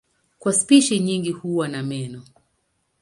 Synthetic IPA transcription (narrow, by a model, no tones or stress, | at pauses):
kwaspiʃiɲiŋɡihuwanamɛnɔ